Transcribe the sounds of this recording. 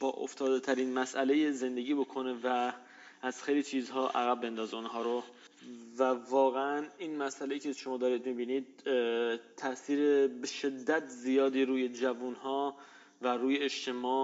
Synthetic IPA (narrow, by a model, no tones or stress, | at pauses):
b̥ɒːʔo̰ft̪ʰɒːd̪et̪ʰæɾiːnmæsʔæle̞jeze̞nd̪e̞ɟiːbo̞kʰo̞ne̞væː | z̥xejliːt͡ʃʰiːzɦɒːʔæɣæbːe̞nd̪ɒːzeonɦɒːɾo | vævɒːɣeæninmæsʔælejiːcʰeʃo̞mɒːd̪ɒːɾiːd̪mibiːnid̪̥̚ | t̪ʰːæʔsiːɾebe̞ʃe̞d̪ːæt̪ʰzijɒːd̪iːɾuːje̞d͡ʒævunhɒː | væɾuːjeːʃt̪ʰe̞mɒːʔ